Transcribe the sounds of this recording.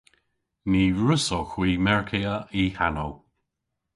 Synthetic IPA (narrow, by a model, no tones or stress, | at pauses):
niːɹʊsoxwiːmɛɹkʰeəihanow